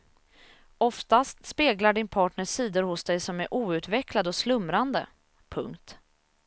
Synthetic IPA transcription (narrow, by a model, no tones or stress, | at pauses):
ɔft̪ast̪speːɡlaɖɪnpʰɑːʈɳəiːd̪ʊɾhʊsd̪ɛjsɔmæɾʔuːʉ̟ːt̪vɛklad̪əɔslɵmɾand̪ə | pʰɵ̰ŋkt̪